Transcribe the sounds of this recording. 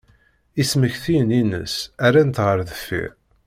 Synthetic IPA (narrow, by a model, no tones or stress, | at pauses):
isməçθininə̰sæɾænt̪ʁəɾðəfːḭɾ